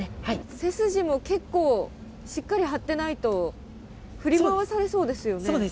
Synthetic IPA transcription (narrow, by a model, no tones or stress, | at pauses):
aise̞sɨʑimo̞ke̞kːo̞ː | ɕikːaɾʲiɦat̪ːe̞nait̪o̞ | ɸɯ̟ɾʲimaβasaɾe̞so̞ːd̪e̞sɨjo̞neoːe